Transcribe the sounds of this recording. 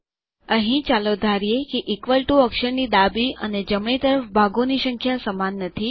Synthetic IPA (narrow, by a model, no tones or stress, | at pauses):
əɦĩt͡ʃalod̪ʱaɾijekeʔɪkʋəlʈuəkʃəɾnid̪abiə̰ned͡ʒəmɳ̃it̪əɾəfbʱaɡonisəŋkʰjasəmanːət̪ʰi